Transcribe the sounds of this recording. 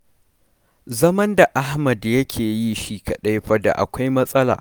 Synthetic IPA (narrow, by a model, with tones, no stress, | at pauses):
zɐ˦mɐ˦nda˨ʔa˦hmɐ˨djɐ˦kʲʰeː˨ji˦ʃiː˦kɐ˨ɗɐ˦jɸɐ˦da̰˨ʔa̰˨kʷa˦jmɐ˦sʼɐ˦la̰ː˨